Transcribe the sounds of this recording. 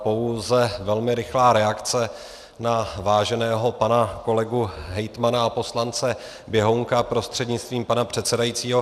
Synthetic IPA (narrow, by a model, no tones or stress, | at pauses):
po̞wzɛvɛlmɪɾɪxlaːɾɛakt͡sɛ | navaːʒɛnɛːɦo̞panako̞lɛɡuɦɛjt̪manaapo̞slant͡sɛ | bjɛɦoŋkapɾo̞st̪r̥ɛdɲɪt͡st̪viːmpanapr̝̥ɛt̪sɛdajiːt͡siːɦo̞